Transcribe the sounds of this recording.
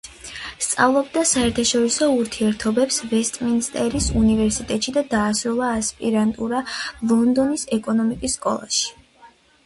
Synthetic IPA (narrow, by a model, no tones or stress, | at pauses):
st̪sʼa̰vlˠɔb̚d̪asaɛɾt̪ʰaʃɔɾisɔuɾt̪ʰiɛɾt̪ʰɔbɛpsvɛst̪ʼminst̪ʼɛɾisunivɛɾsit̪ʼɛt̪ʼʃid̪ad̪aːsɾulˠaːspʼiɾant̪ʼuɾalˠɔnd̪ɔnisɛkʼɔnɔmikʼisːkʼɔ̰lˠa̰ʃi̥